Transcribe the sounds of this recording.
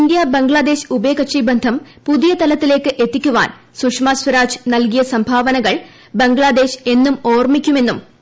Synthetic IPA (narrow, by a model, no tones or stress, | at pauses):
ind̪jabeŋɡɭaːd̪e̞ːɕɨ̥ubeːkɐʂibɐnd̪ʱɐm | puðijɐt̪ɐlɐt̪ːile̞ːkːɨʔe̞t̪ːikʲːuʋa̰ːn | sukʂmaːsʋɐɾaːd͡ʑɨ̥nɐlkijɐsɐmbʱaːʋɐnɐɣɐɭ | beŋɡɭaːd̪e̞ːɕe̞nːumo̞ːrmikʲːume̞nːum